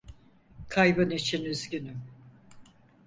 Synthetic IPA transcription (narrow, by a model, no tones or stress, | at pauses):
kʰajbɯnit͡ʃʰinyzɟyny